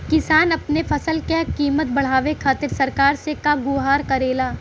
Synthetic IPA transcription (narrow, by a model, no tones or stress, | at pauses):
kɪsaːnɐpnefʰɐsəlkekiːmət̪̚bɐɽ̤aːʋekʰaːt̪ɪɾsɐɾkaːɾsekaɡʊɦaːɾkɐɾeːlaː